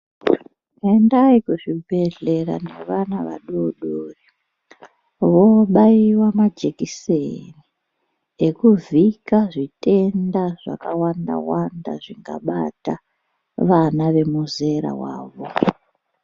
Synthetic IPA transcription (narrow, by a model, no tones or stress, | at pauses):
endaikuʐibʱe̞ɮe̞ɾa̰ne̞̰ʋanaʋa̰ɗoɗoːri | ʋoɓaiwamad͡ʒekiseni | ekuvikaʐite̞ndaʐ̥a̰kawanda̰wanda̰ʐiŋɡa̰ɓata | ʋanaʋe̞muze̞ɾa̰wa̰ːʋo